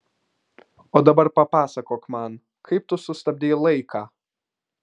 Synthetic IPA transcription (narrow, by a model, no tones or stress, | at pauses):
oːd̪ɐbɐɾpɐpɑːsɐkoːkmɐn | kʰɐɪp̚t̪ʊsʊst̪ɐbʲd̪ʲeːlˠɐɪkʰɑː